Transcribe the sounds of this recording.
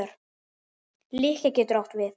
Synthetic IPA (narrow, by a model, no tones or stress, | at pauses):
ʏɾ̥ | liːhkɛcɛt̪ʏɾawht̪vɪθ